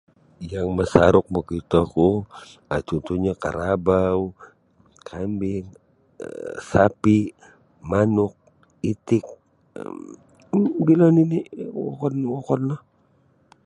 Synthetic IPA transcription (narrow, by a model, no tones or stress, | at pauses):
jaŋməsaɾʊk̚mɔkit̪ɔku | at͡ʃɔnt̪uɲaka̰ɾabau | kʰambɪŋ̰ | sapi | manʊk̚ | it̪ɪk̚ | bilaniniwɔ̰kɔnwɔkɔnlah